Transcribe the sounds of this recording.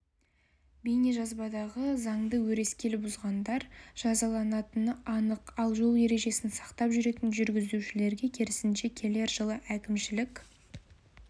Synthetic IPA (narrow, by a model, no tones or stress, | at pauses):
bijneʒɑzbɑd̪ɑʁəzɑŋd̪əwɵɾe̞skʲe̞lbʊzʁɑnd̪ɑɾʒ̥ɑzɑlˠɑnɑt̪ənɑnəqɑlˠʒo̞lˠje̞ɾe̞ʒe̞sɪnsɑ̥qt̪ɑpʒʏɾe̞t̪ɪnʒʏɾɡʲɪzuʃɪle̞ɾɡʲe̞kʲʰeɾɪsɪnʃe̞kʲʰe̞le̞ɾʒəlˠəʔækʲɪmʃɪlɪkʲ